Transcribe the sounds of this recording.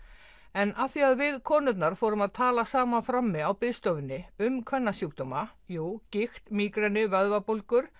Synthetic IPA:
ɛnaθiaðvɪðkʰɔːnʏt̪̬naɾ̥fɔːɾʏmaðt̪ʰaːlasaːmanfɾamːɪawpɪðst̪ɔːvɪnːɪʏmkʰvɛnːasjuk̚t̪ɔmajuːcɪxt̪miːkɾɛnʏvœðvapolkʏɾ̥

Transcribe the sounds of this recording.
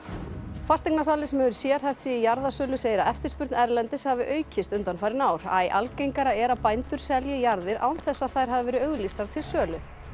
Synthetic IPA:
fast̪iknasaːlɪsɛmɛʏɾʏsjɛːɾ̥hɛjft̪sijɪjaɾðasœːlʏseːjɪɾaɛft̪ɪɾ̥spʏɾt̪nɛɾlɛnt̪ɪshavɪʔœːɥcʰɪst̪ʏnt̪anfajɾɪnaːwɾ̥a̰ːjʔa̰lcejŋkaɾaɛɾapajnt̪ʏɾ̥sɛljɪjaɾðɪɾʔa̰wnθɛsːaðθajɾ̥ɦavɪvɛːɾɪœɥɣlist̪aɾ̥t̪ʰɪlsœːlʏ

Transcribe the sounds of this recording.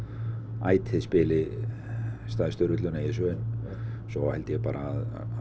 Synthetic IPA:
a̰ːjt̪ʰhɪðspɪlɪ | st̪aːðɪst̪ʏɾʏt̪lœnajɛsœnsɔhɛlt̪jɛpaːɾʔað

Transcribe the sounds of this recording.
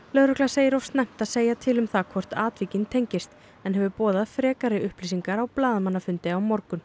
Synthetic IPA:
lœðɾʏklaseːjɪɾow̥st̪nɛm̥t̪aðseːjat̪ʰɪlʏmθakʰvɔr̥t̪aːt̪viːcɪnt̪ʰejɲcɪst̪ | ɛnɦɛvʏpɔːðafɾɛːkaɾɪʏhplisiŋkaɾawplaːðmanːafʏnt̪ɪawmɔɾkʏn

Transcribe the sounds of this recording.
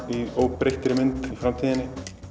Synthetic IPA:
iowpɾext̪ɾɪmɪnt̪ifɾamt̪ʰiðɪnɪ

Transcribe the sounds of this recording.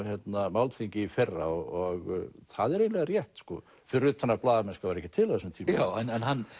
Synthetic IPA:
çjɛt̪namawlt̪ʰiɲcɪifɛrːa̰ɔɣθaðɛɾejnlɛɣaɾjɛht̪skɔ | fɪɾʏt̪ʰanːaplaːðamɛnskavaɾɛhcːɪt̪ʰɪlhɛsnt̪ʰiːmawɛnɛnɦan

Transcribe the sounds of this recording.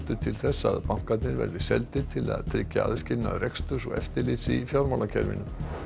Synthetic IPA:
t̪ʏ̥t̪ʰɪlθɛsːa̰ðpaŋ̥kat̪nɪɾvɛ̰ɾðɪsɛlt̪ɪt̪ʰɪla̰ðt̪ʰɾɪcːaa̰ðscɪna̰ðrɛkst̪ʏsɔɣɛ̰ft̪ɪɾlɪt̪sɪfjawɾmalacʰɛɾvɪ̰nʏm

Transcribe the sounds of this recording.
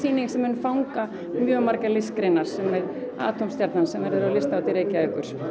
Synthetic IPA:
iːnɪŋsɛmʏnfawŋka | mjœːmaɾkalɪskɾɪnːaɾ̥sɛmːɛɾa̰ːt̪ʰumst̪jaɾt̪nansɛmvɛɾðʏɾawlɪst̪aːwt̪ɪɾejcaɛkʏɾ̥

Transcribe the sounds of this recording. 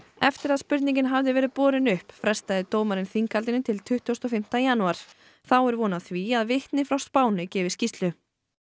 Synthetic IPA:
ɛft̪ɪɾaðspʏɾt̪nĩɲcɪnɦavðɪvɛːɾɪðpɔːɾɪnʏhpfɾɛst̪aðɪt̪oːwmaɾɪnθiŋkalt̪ɪnʏt̪ʰɪlt̪ʰʏht̪ʰust̪ɔfɪm̥t̪ajanuaɾ̥ | θawɛɾvɔːnaθviaðvɪht̪nɪfɾawst̪paːwnɪcɛːvɪ̥scist̪lʏ

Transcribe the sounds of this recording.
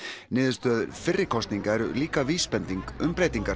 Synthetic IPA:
nɪːðɪ̥st̪œːðʏɾfɪrːɪkʰɔst̪niŋkaɛɾʏliːkaviːspɛnt̪iŋkʏmpɾeːjt̪iŋka

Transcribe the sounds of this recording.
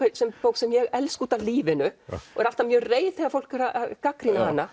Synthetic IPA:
esɛmpoːwk̪sɛmjɛɣɛlskuːt̪aliːvɪnʏɔɣɛɾal̥t̪amjœːreːjθɛɣafowl̥kɛɾaaðkakɾinahanːa

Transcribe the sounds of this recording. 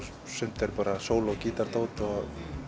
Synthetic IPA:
sʏm̥t̪ɛɾpaɾasoːwlowkiːt̪aɾt̪owt̪ɔ

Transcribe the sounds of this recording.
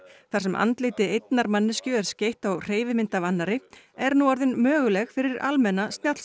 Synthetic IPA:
θaɾ̥sɛmʔa̰nt̪lɪːt̪ɪejt̪naɾmanːɪscœːɾscejht̪awr̥eːjvɪmɪnt̪avanːaɾɪ | ɛɾnuaɾðʏnmœːɣʏlɛxfɪɾɪɾalmɛnːast̪njat̪l̥s

